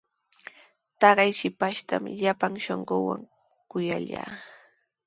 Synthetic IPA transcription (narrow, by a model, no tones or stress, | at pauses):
t̪ɑɢɑjʃɪpaʃt̪amɪʎapaŋʃoɴɢowa̰ŋ | kʊjaʎaː